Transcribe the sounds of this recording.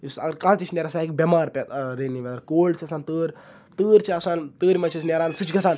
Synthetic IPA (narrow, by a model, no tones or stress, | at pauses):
isɐ̰ɡəɾkãːt͡ʃ̪it͡ʃʰneɾɐsaːik̚bʲɐmaːɾpʲet̪ɾeːnːiʋʲɐd̪ɐɾkoːlɖsʰiɐsaːnt̪əːɾʲ | t̪əːɾʲt͡ʃʰiɐsaːnt̪əːɾʲmɐt͡ʃʰisnʲeɾaːnsɨt͡ʃʰɡʱɐsʰaːn